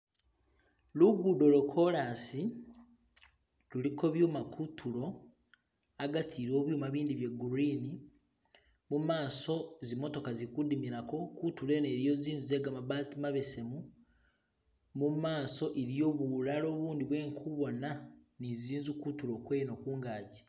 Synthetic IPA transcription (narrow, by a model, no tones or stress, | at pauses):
luɡudo̞lokʰo̞lasi | luliko̞βjuːmakʰutʰulo̞ | aɡatʰiɾo̞ːβjuːmaβiːndiβje̞ɡuɾini | mumaːso̞zimo̞to̞kazikudimiɾako̞kutule̞neːɾjo̞ziːnzuze̞ɡamaβatimaβe̞se̞mu | mumaːso̞ʔeɾijo̞βulalo̞ːβuːndiβwe̞ːŋkʰuβo̞naniziːnzukutulo̞kwe̞ːjno̞kuːŋɡaːɟi